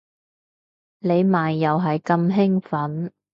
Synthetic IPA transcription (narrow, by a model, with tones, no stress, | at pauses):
le˨˧jmaː˨jːɐ˨wɦɐ˨jkɐ˧mɦɪ˥ŋfɐ˨˥n